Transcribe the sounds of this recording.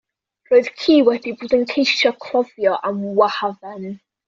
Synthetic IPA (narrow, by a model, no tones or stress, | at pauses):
r̥oːɨðkʰiːwɛdiboːdənkʰejʃɔkʰl̥ˠɔvjɔʔamwahavɛn